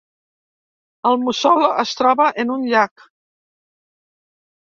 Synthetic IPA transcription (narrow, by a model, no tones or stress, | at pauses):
əlˠmusɔləst̪ɾɔβəʔənunʎak